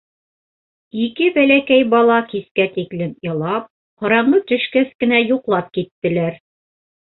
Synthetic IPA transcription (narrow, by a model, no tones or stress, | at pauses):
ikɘbælækæjbɑlˠɑkiskæt̪iklɘmjɤ̆lˠɑp̚ | hɤ̆ɾɑɴɤt̪ɵ̆ʃkæθkɘ̆næjuqlˠɑp̚kit̪ːɘ̆læɾ